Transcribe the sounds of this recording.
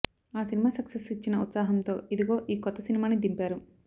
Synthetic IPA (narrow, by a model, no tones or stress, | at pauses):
aːsinimaːsɐksesit͡ʃːinɐut̪saːɦɐmnt̪o̞ːid̪uɡo̞ːʔiːkɔt̪ːɐsinimaːnid̪impaːɾu